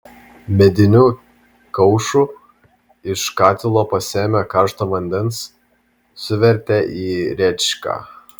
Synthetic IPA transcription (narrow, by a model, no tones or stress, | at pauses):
mʲɛd̪ʲɪnʲuː | kɐʊʃu | ɪʃkɑːt̪ʲɪlˠoːpɐsʲeːmʲækɑːɾʃt̪oːʋɐnʲd̪ʲɛns | sʊʋʲɛɾʲt̪ʲɛʔiːɾʲɛt͡ʃkɑ̰ː